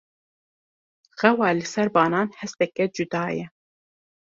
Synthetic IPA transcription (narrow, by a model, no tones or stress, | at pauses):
ɣɛwɑːlɨsɛɾbɑːnɑːnhɛst̪ɛkɛd͡ʒud̪ɑːjɛ